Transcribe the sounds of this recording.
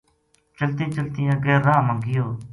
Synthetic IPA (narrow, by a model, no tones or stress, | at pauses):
t͡ʃəlt̪ẽːt͡ʃəlt̪ɪjãːɡeːɾːaːmãːɡɪjoː